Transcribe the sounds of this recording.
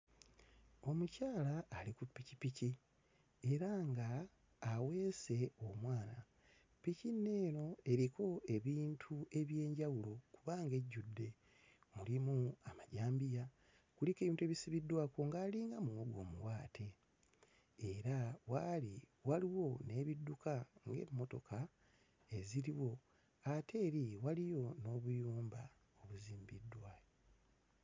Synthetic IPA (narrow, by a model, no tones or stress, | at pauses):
o̞mucaːlaːlikupːicipici | e̞ɾaŋɡaː | we̞ːse̞o̞mwaːna | picinːe̞ːno̞e̞ɾikʰo̞e̞βiːntʰue̞βje̞ːɲɟawulo̞kuβaŋɡe̞ɟːudːe̞ | mulimuamaɟaːmbija | kulike̞βiːntue̞βisiβidːwaːkoŋɡaːliːŋɡamuwoɡwo̞ːmuwaːtʰe̞ | ɾawali | waliwo̞ne̞ːβidːukaŋɡe̞̰mːo̞to̞kʰa | e̞ziɾiwo̞ | atʰe̞ːɾiwalijo̞no̞ːβujuːmba | o̞βuziːmbidːwaːko